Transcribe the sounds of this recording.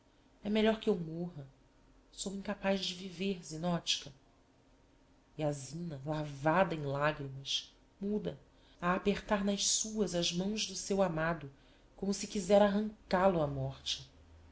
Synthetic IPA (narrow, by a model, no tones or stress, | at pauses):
ɛmeʎɔɾkɪewmoɦɐ | sowĩkapazd͡ʒɪviveɾzinɔt͡ʃi̥kɐ | iazĩnɐlavad̪ɐẽj̃laɡɾimɐʃ | mud̪ɐ | aːpeχt̪aɾnɐʃsuɐzɐʒmɐ̃w̃ʒd̪ʊsewamad̪ʊ | kõmʊsɪkizɛɾaɦɐ̃ŋkalʊamɔχt͡ʃɪ̥